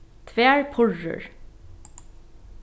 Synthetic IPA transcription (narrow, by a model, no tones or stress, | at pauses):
t̪ʰʋeːɹpʰʊɭə̰ɹ